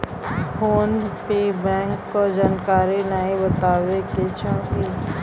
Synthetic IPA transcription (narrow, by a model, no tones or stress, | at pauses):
fʰoːnpeːbɛ̃ːŋkːod͡ʒaːnkaːɾinaːibət̪aːʋeket͡ʃõki